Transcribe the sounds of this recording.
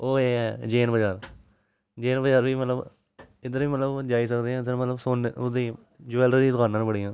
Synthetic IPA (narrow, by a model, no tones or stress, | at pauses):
oːeːɛːd͡ʒeːnbəd͡ʒaːɾ | d͡ʒeːnbəd͡ʒaːɾʋiːmət̪ləb | ɪd̪əɾʋiːmət̪ləbd͡ʒaːiːsəkd̪eːɦãːd̪əɾmət̪ləbsoːnʊd̪iː | d͡ʒuɛːlɖədiːskaːnãːnbəɽiːãː